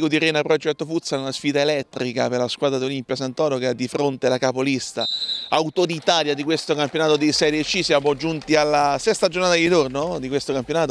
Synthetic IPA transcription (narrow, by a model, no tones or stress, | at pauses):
kod̪iɾɛːnapɾɔd͡ʒɛt̪ːofut̪sːanunasfiːd̪aelɛt̪ːɾikaperlaskwaːd̪ɾad̪iolimpjas̬ant̪ɔːnokead̪ːifɾont̪elakapolist̪a̰awt̪od̪it̪aːljad̪ikwest̪okampjonaːt̪od̪esɛɾet͡ʃːisjaːmod͡ʒunt̪ialːasɛst̪ad͡ʒornaːt̪ad̪id͡ʒornod̪ikwest̪okampjonaːt̪o